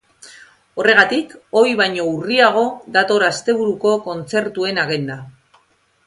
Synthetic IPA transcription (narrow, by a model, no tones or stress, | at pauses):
o̞re̞ɣ̞at̪iko̞jβajɲo̞uriaɣ̞o̞ðat̪o̞ɾast̪e̞β̞uɾuko̞ko̞nt͡se̞ɾt̪ue̞naɣend̪a